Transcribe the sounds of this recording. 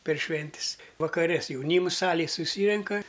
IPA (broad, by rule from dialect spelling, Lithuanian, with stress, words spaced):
pʲɛr ˈʃʲʋʲɛnʲtʲɪs ʋɐkɐˈrʲɛ s jɛʊˈnʲiːms ˈsɑːlʲeːj sʊˈsʲiːrʲɛŋkɐ